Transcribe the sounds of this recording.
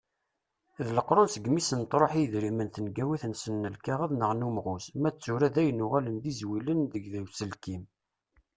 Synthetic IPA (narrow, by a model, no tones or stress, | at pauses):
ðləqɾˤonsəɡmisənt̪ɾˤoħijðɾimənθənɡæwiθnsənːəlkæʁəðnəʁnumʁʊsmæt͡sːuɾæðæjənːʊʁælənd̪izwilənðəɡðæwsəlkim